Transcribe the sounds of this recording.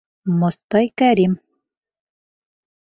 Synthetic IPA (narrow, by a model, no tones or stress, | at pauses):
most̪ɑjkæɾim